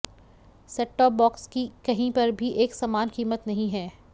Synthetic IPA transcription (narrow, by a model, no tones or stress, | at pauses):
seːk̚ʈɔːbɔːkskikɐɦĩpɐɾbʱiʔeːksaːmaːnkiːmət̪nɐɦĩɦɛː